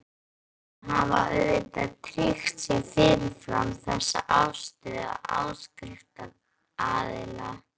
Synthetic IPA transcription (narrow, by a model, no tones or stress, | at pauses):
havaœt̪at̪ʰɾixsɪsɪːnɪfɾa̰mθɛsːa̰ʔawst̪ɪða̰awskɾɪft̪a | aːðɪla